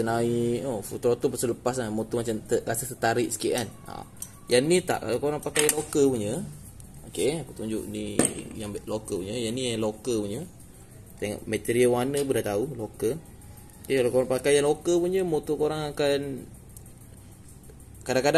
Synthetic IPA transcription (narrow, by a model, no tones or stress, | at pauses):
t̪ənaiofut̪ɾot̪opəsələpas̬lamot̪ɔmat͡ʃamt̪əɾasəsət̪aɾiʔsə̥keʔana̰ | janit̪a̰ʔka̰lawkoɾaŋpakajalokəlpuɲə | okeapət̪uɲd͡ʒʊ̰ʔnijaŋblokəpuɲəjaniaŋlokəlpuɲə | t̪eŋɔ̰ʔmɛt̪eɾiawanəp̬udat̪aulokəl | əkalakoɾaŋpakajalokəlpuɲəmot̪okoɾaŋakan | kadaŋkada